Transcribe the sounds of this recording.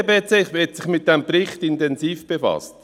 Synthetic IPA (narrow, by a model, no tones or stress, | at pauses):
beːt͡seːχʋɛtsɪχmɪt̚d̥ɛmprɪχtɪntɛnsiːfb̥efɑ̰st